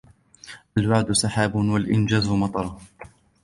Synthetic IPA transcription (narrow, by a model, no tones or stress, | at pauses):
ʔalwaʕd̪ʊsɑħaːbʊwalʔɪnd͡ʒaːzʊmɑt̪ˤɑɾˤ